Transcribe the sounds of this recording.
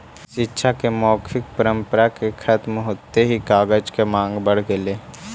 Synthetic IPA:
ʃɪtːʃʰakemɔːkʰɪk̚pəɾə̃mpəɾakekʰɐt̪mɦoːt̪eɦikaːɡəd͡ʒkemãːŋɡbəɽ̤ɡeleː

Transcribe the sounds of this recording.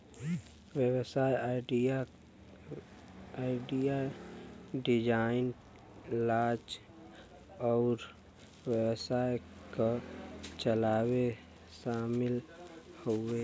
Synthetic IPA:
wjəwsaːjaɖia | aɪɖija | ɖɪd͡ʒaɪn | laːd͡ʒ | ɔːɾ | wjəwsaːekat͡ʃəlaːwe | ʃaːmɪlhoe

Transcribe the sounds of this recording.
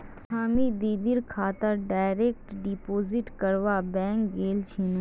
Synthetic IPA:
sʰaːmid̪iːd̪ɪɾkʰaːt̪əɾɖaːɪɾeːk̚ʈɖipoːzɪʈkəɾʋaːbɛ̃ːŋkɡeːlt͡ʃʰinu

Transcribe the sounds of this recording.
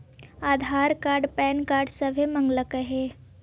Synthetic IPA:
aːd̪ʱaːɾkaːɾɖpɛːnkaːɾɖsəʋʱemə̃ŋɡləkəɦe

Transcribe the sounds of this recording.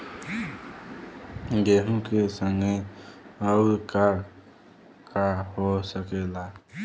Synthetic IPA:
ɡeɦũkesəŋɡe | əʊɾka | kaɦosəkela

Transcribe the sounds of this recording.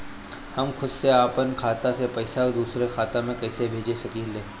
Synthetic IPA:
hɐmkʰʊd̪seaːpənkʰaːt̪asepɐɪsakd̪uːsɾekʰaːt̪ãmẽkɛːsebʱeːd͡ʒesɐkiːleː

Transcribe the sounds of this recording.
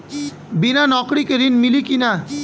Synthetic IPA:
binanɔkɽikeɾinmilikina

